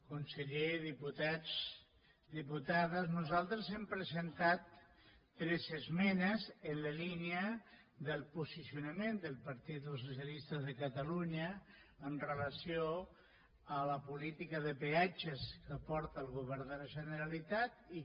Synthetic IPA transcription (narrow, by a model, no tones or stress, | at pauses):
kunsəʎeðiput̪ad͡z | d̪iput̪aðəznuzalˠt̪ɾəzɛmpɾəzent̪at̪ː | ɾɛzəzmɛnəzənləliniə | ðəlˠpusisiunamend̪əlˠpaɾt̪it̪osus̬jalist̪əðəkat̪aluɲəːnrələsio | ələpulit̪ikəðəpeat͡ʃəskəpɔɾt̪aːlˠɣuβɛɾðələʒənəɾalit̪at̪̚i